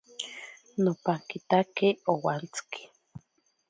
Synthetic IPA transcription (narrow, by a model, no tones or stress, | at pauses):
nopaŋkit̪akeowalt͡ski̥